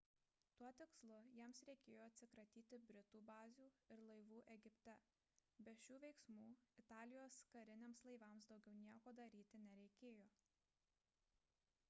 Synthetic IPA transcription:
t̪uɔt̪ʲɪkslˠʊjiɛmsɾʲɛɪkʲeːjoːɐt̪ʲsʲɪkɾɐt̪ʲiːt̪ʲɪbʲɾʲɪt̪uːbɑːzʲuːɪɾlˠɐɪʋuːʔɛɡʲɪpʲt̪ʲɛ | bʲɛʃʲuːʋʲɛɪksmuːɪt̪ɑːlʲɪjoːskɐɾʲɪnʲeːmslˠɐɪʋɑmsd̪ɒʊɡʲɛʊnʲiɛkoːd̪ɐɾʲiːt̪ʲɪnʲɛɾʲɛɪkʲeːjoː

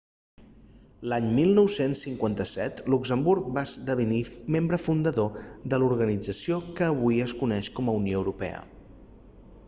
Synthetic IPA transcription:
laɲmilˠnɔwsensːiŋkwant̪əsɛt̪lukzəmbuɾk̚basd̪əβənimembɾəfund̪əðoðəluɾɣənid͡zəsiokəːβujəskunɛʃkɔməunijoəwɾupɛ̰ə̰

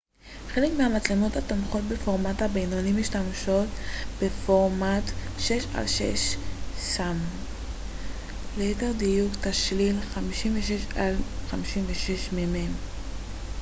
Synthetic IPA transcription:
χe̞le̞kmeamat͡slemothatomχo̞t̚be̞foʁmathabejnonimiʃtamʃo̞tbefoʁmatʃe̞ʃa̰lʃḛʃsam | leteʁdijuktaʃlilχamiʃimveʃeʃalχamiʃimveʃe̞ʃmemem

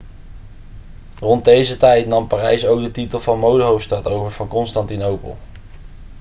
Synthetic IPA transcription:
rɔnd̚dejzətɛjtnɑmpaːrɛjsowɡ̚dətitəlˠvɑnmowdəɦowfstɑtowvəɹv̥ɑnkɔnstɑntinowpə̰lˠ

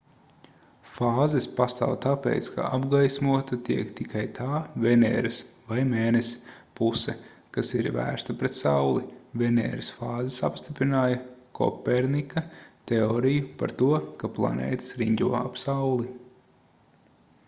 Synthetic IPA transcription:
faːzɛspast̪a̰ːwt̪apḛːt̪ska̰ʔabɡajsmuɔt̪ɐt̪iɛkt̪ikʰajt̪ʰaːvenɛ̰ːɾɨsvajmeːnes | pusɛ̰ | kasiɾvæ̰ːɾst̪ɐpɾet̪sawlˠivɛnɛ̰ːɾɪsfaːzɛsa̰pst̪ipɾinaːjɐkʰɔ̰pɛɾnikɐt̪eɔːɾijupa̰ɾt̪uɔkaplˠa̰nḛːt̪ə̥sɾiɲɟʲuɔa̰psawlˠi

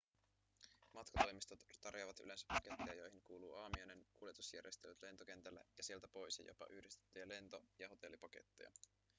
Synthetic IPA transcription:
mɑt̪kɑt̪o̞jmist̪ott̪ɑrjoʋɑt̪y̰le̞nsæ̥pːɑke̞t̪ːejɑjo̞jhinkuːluːʔɑːmiojnenkulje̞t̪usjæ̰rje̞st̪elyt̪le̞nt̪okent̪ælːæ̰jɑsie̞lt̪æpo̞jsjɑ̰jo̰pɑ̰ʔyhdist̪e̥t̪ːyjæle̞nt̪ojɑɦo̞t̪e̞lːipɑke̞̰t̪ːejɑ̰

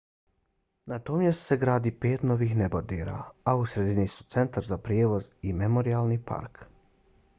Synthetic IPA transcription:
nat̪oːmjest̪seɡɾaːd̪ipeːt̪noːʋiːxnebod̪eːɾa̰ausɾed̪inisu̥t̪se̞nt̪aɾzapɾjeːʋo̞zimemoɾialnipa̰ɾk

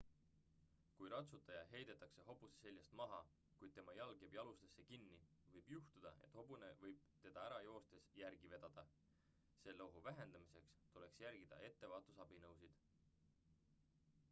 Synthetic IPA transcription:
kujɾɑt̪sut̪ːˑɑjɑɦe̞jd̪̥e̞t̪ːˑɑkse̞ɦo̞busese̞lʲjɑst̪mɑɦɑ | kujd̪̥̚t̪emɑjɑlɡ̥eb̥jɑlust̪esːe̞kinːi | vɤjb̥juht̪ud̪̥ɑe̞̰t̪ːˑho̞bune̞̰vɤjb̥̚ | t̪e̞d̪̥ɑæɾɑjo̞ːst̪e̞sjærɡ̥ive̞d̪̥ɑd̪̥ɑ | se̞lːowɦuvæɦe̞nd̪̥ɑmise̞kst̪ule̞ksjæɾɡ̥id̪̥ɑ̰e̞t̪ːe̞vɑːt̪ːˑusɑb̥inɤwsid̪̥

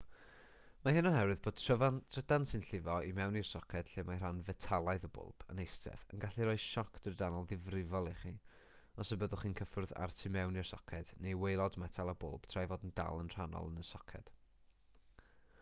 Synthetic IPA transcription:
mahɪnɔɦɛɾwɨðboːd̥̚tʰrəvatʰrədansɪnɬɪvɔimɛwnir̥sɔkʰɛd̥ɬeːmajr̥anvɛtʰalˠajðəbʊ̰lˠb̥ə̰nejstvɛ̰θə̰nɡaɬiɾɔːɨ̥ʃɔkʰd̥ərdanɔlˠðɪvrɪvɔlˠiχi | ɔsəbəðʊχiːnkʰəfʊrða̰rtʰimɛwnirsɔkʰɛd̥nejwejlˠɔdmɛtʰalˠəbʊ̰lˠb̥tʰr̥ajvoːdn̩da̰lˠənr̥anɔ̰lˠənəsɔkʰɛ̰d̥

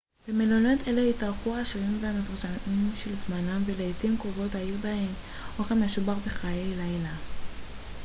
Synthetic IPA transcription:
b̥emelonot̪eleitaʁχuaːʃeʁimvehamefuʁʃamimʃelzmanamveleːtimkʁovo̞tajibahem | okamaʃubaʁbeχajejlajla

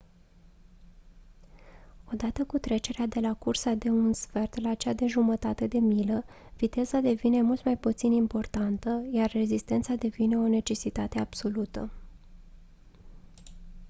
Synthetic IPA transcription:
o̞d̪at̪əkut̪ɾe̞t͡ʃe̞ɾead̪e̞lakursad̪e̞unsfe̞rt̪lat͡ʃad̪e̞ʒumət̪at̪e̞d̪e̞miləvit̪e̞zad̪e̞vine̞mult̪majput̪sinimpo̞rt̪ant̪əjarːe̞zist̪e̞nt̪sad̪e̞vine̞o̞ne̞t͡ʃe̞sit̪at̪e̞ab̥so̞lut̪ə̰

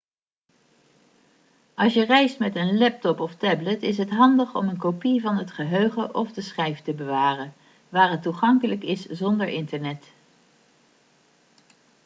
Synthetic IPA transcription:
ʔɑlˠsjərɛjstmɛtənlɛp̚tɔpɔftɛblətɪs̬ɦətɦɑndəχɔ̰mənkopivɑnɦətχəɦøɥχəʔɔfdəsχɛjftəbəʋaːrən | ʋaːrətːuχɑŋkələkɪszɔndəɹʔɪntəɹnɛt

